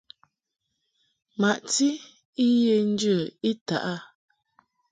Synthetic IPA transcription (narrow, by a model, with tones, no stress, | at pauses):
ma˨ʔti˦ | i˦je˦n˦də˨i˦ta̰˨ʔa˦